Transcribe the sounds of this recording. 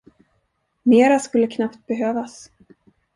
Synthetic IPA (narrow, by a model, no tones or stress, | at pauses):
meːɾaskɵlːəkʰnapt̪̚bɛɦøːvas